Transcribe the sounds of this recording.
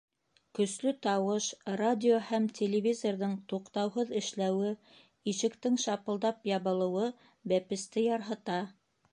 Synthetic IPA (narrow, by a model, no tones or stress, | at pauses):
kɵ̆slɵt̪ɑwɤʃradʲɪohæmtʲʰelʲɪvʲizorðɤɴt̪uqt̪ɑwɦɤðɘ̆ʃlæwɘ | iʃɘ̆kt̪ɘŋʃɑpɤ̆lˠd̪ɑpjɑβɤ̆lˠɤ̆wɤ | bæpɘ̆st̪ɘjɑɾɦɤ̆t̪ɑ